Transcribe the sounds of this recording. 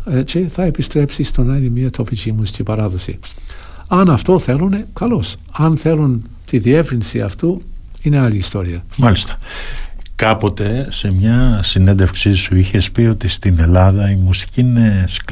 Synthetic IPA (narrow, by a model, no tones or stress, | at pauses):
ce̞θɐe̞pist̪ɾe̞psist̪o̞nɐinemɲiɐt̪ʰo̞picimusi̥cipɐɾɐðosḭ | ɐnɐft̪o̞θe̞lune̞kɐlo̞s | ɐnθe̞lun | t̪iðie̞vɾinsiɐ̰ft̪uine̞ɐliːst̪o̞ɾiɐmɐlist̪ɐ̥ | kɐpo̞t̪e̞se̞mɲɐsinend̪efksisuiçe̞spio̞t̪ist̪ine̞lɐðɐimusi̥cines